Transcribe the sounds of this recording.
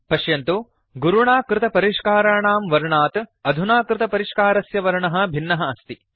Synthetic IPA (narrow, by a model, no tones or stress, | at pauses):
pɐʃjɐnt̪u | ɡuɾuɳaːkɾɪt̪ɐpɐɾiʂkaːɾaːɳaːmʋɐɾɳaːt̪ɐd̪ʱunaːkɾɪt̪ɐpɐɾiːʂkaːɾɐsjɐʋɐɾɳɐɦɐ̆bʱinːɐɦɐɐst̪i